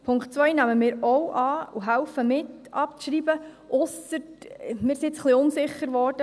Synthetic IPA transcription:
pʰʊŋktt͡sʋœjnæməmɪːɾɔwʔɑːuɦælfəmɪtɑp̚t͡sʃɾiːbə | ʔʊsətmɪːɾsiɪt͡sχliʊnsɪχəɾʋɔːɾd̥ə

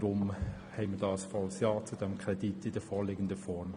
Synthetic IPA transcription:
ɾʊmhɛɪmədɑːəsfɑlsjɑːt͡sudɛmkʰɾɛditɪd̥əfɔːlɪːɡəndəfɔɾm

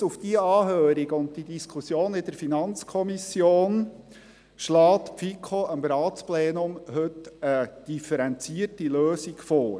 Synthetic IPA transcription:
ufd̥iəɑːɦøːɾiɡʊnt̚did̥iskʰʊsjoːnɪd̥əɾfinɑnt͡skʰɔmisjoːn | ʃlɑːt̪pfikʰoʔəmɾɑːtt͡splɛːnʊmhɵtəd̥ifəɾɛnt͡siərtiløːsiɡfɔːɾ

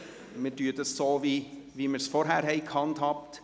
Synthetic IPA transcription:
mɛd̪yːd̪esoːʋi | ʋɪməɾsfɔɾɦæɾhɛɪkʰɑnt̪ʰɑpt̪

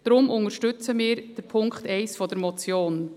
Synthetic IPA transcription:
d̥ɾʊmʔʊŋəɾʃtʏt͡səmɪːɾd̥əpʰʊŋkχtɛɪsfɔd̥əɾmɔt͡sjoːn

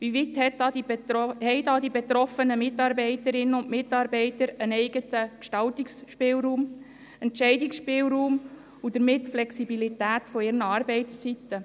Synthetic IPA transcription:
ʋivɪt̪hɛtɑdihɛɪdɑd̪ibet̪ɾɔfənəmɪtɑːɾbɛɪtəɾɪnːəʊnʔmɪtɑːɾbɛɪtəɾənɛɪɡ̥ətəkʃtɑltiksʃpɪːlɾuːm | ɛntʃɛɪdiksʃpɪːlɾuːm | ud̪əɾmɪtflɛksibilitæːtfɔɪɾnəɑːɾbɛɪt͡st͡sit̪ːə

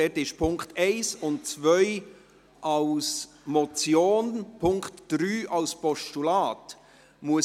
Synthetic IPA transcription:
ɛtɪʃpʰʊŋktɛɪsʊnt̚t͡svœʏ | ʔɑls | mɔt͡sjoːnpʰʊŋktd̥ɾyːʔɑlspɔʃtulaːt | muə

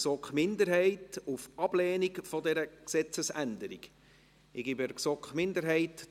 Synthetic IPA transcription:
sɔkχmɪnd̪əɾhɛɪtufɑb̥lɛːnikfɔdɛɾəksɛt͡səsænd̪əɾḭɡ̥ | ɪɡ̥ibɛɾksɔkχmɪnd̪əɾɦɛɪt

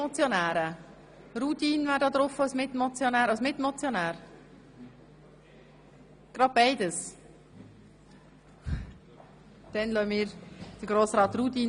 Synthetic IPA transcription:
ɔt͡sjɔnæːɾə | ɾutiːnvæːɾdɑːd̪ɾʊfawsmɪtmɔt͡sjonæːɾaʊsmɪtmɔt͡sjonæːɾ | ɡ̥ɾɑd̚b̥aɪdəs | d̥ɛnlœmɪːɾd̥əɾɡɾoːsɾɑːt̪rut̪iːn

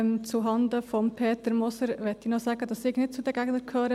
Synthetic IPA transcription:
mt͡suɦɑnd̪əfɔmpʰeːt̪əɾmɔsəɾʋɛt̪ːinɔsæɡədɑsɪɡnɪt̚t͡sudɛɡæɡnəɾkʰøːɾə

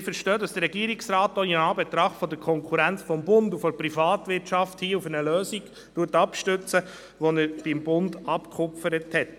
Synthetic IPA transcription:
fəɾʃtœːdɑsd̥əɾɛɡiəɾiksɾaːtːɔinɑːbɛtɾɑχtfɔdəɾkʰɔŋkʰuɾænt͡sfɔmbʊndufɔɾpɾifɑːtʋɪɾtʃɑfthiːufənəløːsiɡ̥ | tuətːɑpʃtʏt͡sə | ʋɔnəɾb̥ɪmbʊndɑpkʰχʊpfəɾəthɛt

